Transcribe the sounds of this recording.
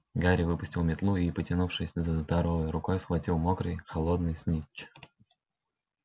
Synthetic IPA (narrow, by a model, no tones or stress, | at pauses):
ɡaɾʲɪvɨpʊsʲtʲɪlˠmʲɪt̪lˠuipətʲɪnufʂɨsʲzəzd̪ɐɾovəjɾʊkojsxvɐtʲilˠmokɾɨjxɐlˠod̪nɨjsʲnʲit͡ɕː